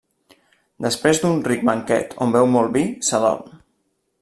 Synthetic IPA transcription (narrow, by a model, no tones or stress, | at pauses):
d̪əspɾezd̪unriɡ̚məŋkɛ̰t̪ʰombɛwmɔlˠβisəlɔ̰n